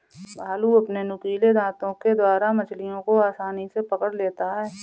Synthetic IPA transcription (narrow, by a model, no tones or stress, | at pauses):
bʱaːluɐpnenʊkiːled̪ãːt̪õked̪waːɾamɐt͡ʃlijõkoaːsaːnisepɐkəɽleːt̪aɦɛː